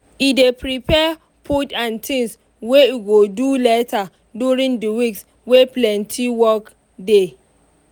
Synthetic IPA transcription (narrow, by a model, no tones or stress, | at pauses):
idepɹipʰɛ | pʰutãntʰĩŋs | wejuɡodulɛtʰa | duɹĩŋdəwiks | weplɛ̃ntʰiwɔk | de